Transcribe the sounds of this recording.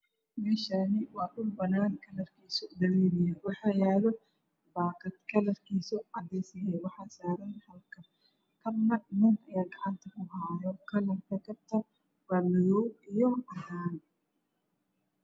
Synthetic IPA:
mɛːʃanɪwɑːkʊlbɐnaːnkʰɐlɐrkʰiːsɔd̪ɐɾɛːɾɪjɐwɑħɑːjaːlɔ | baːqɐt̪kʰɐlɐrkʰiːsɔʕɑd̪ɛjsɐjɛwɑħɑːsaːɾɐnhɐlkʰɐ | kʰɐbnɐnɪnɐjaːɡɐʕɑnt̪ʰɐkʰʊɦaːjɔkʰɐlɐnkɐkʰɐb̚t̪ʰɐ | waːlɐjɔwijɔɐɦaːn

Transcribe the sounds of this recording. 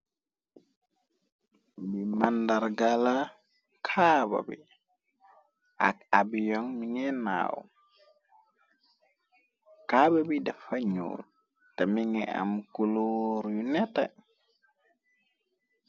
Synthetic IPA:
bimandaɾɡala | kʰaba̰bi | ʔa̰kabijɔŋmiŋɛna̰w̰ | kababidafaɲo̰ː | tamiŋɛa̰mkuloɾjunɛta

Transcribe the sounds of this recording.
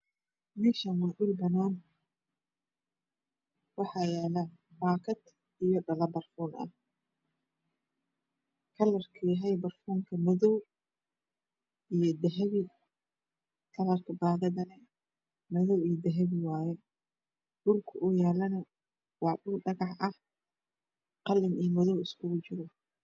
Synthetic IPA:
mɪʃɐnwɑːɖʊlbɐnɔːn | wɑħɑːjɛːlɐbaːkʰɐd̪ | ijɔɖɐlɐbɐrfuːnɐ̰ | kʰɐlɐrkʰiːɦɛjbɐrfuːŋkʰɐmɐðɔw | ijɞd̪ɛɦɐβɪ | kʰɐlɐrkʰɐbaːðɐðɐnɐ | mɔðɔwiːjd̪ɛɦɛβɪwaːjɛ | ɖʊlkʰɐʔʊjɛːlɐnɐ | wɑħɖʊlɖɐɣɑħɐh | qɑlɪniːmɔðɔwɪskʰʊɣʊt͡ʃɪɾɔ

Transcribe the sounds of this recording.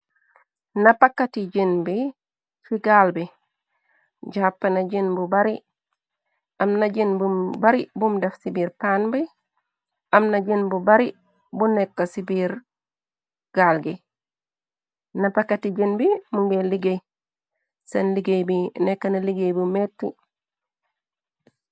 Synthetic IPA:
nɐpakːatiɟinbi | fiɡaːlbi | ɟapːenɐɟinbubaɾi | ɐmnɐɟinbumbɐɾibumdɐfsibiːɾpanbi | ɐmnɐɟinbubɐɾi | bunekːɐsibiɾ | ɡ̥aːlɡi | nɐpɐkːatiɟinbimuŋɡeliɡej | sɐnliɡejbinekːɐnɐliɡejbumetːi

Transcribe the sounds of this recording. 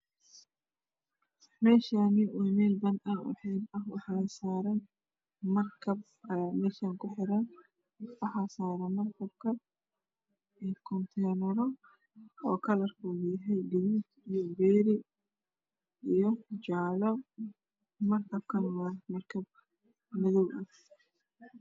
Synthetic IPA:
mɛːʃaːnɪʔuːnɛːlbɐnɐwʊ̰ħiːbɐɦwɑ̰ħasaːɾɐn | mɐrkʰɐb̚ | mɛːʃaːŋkʰʊħɪɾɐn | wɑħasaːɾɐmɐrkʰɐb̚kʰɐn | ɛkʰɔnt̪ʰɛjnɛɾɔ | ɔːkʰɐlɐrkʰuɣjɐɦɛjɖɪɣuːt̪ijɔbɛːɾɪ | ʔijɔd͡ʒaːlɔ | mɐrkʰɐb̚kʰɐnwamɐrkʰɐb̚ | mɪðɔwʔɐh

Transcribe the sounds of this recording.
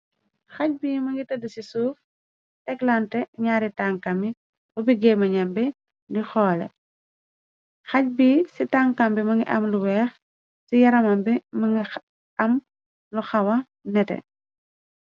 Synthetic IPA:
xɐc̚biːmɐŋɡitɐdusisuːf | ʔɛklantɛɲaːɾitaŋkɐmi | bubiɡɛmɐɲɐmbi | ɡixɔːlɛ̰ | xɐc̚bisitaŋkɐmbimɐŋɡiʔɐ̰mluwɛːx | sijɐɾɐmɐmbimɐŋɡi | ɐm | luxɐwɐ | nɛtɛ̰

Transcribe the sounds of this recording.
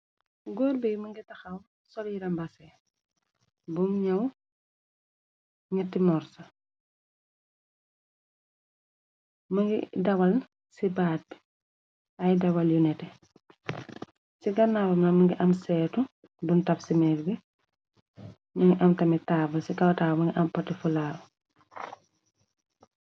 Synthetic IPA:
ɡoːɾbijmɐŋɡitɐxɐw | sɔljiɾɐmbɐsɛ | bumɲɐw | ɲɐtːimɔɾsɐ | mɐŋɡḭdɐwɐln | sibaːt̚bi̥ | ɐjdɐwɐljunɛtɛ | siɡɐnːabɐmnɐmɐŋɡiʔɐmsɛːtu | duntɐfsimɛːɾɡi | mɐŋɡiʔɐmtɐmitaːbɐsikɐwtaːmɐŋɡiʔɐmpɐtːifulaːlu

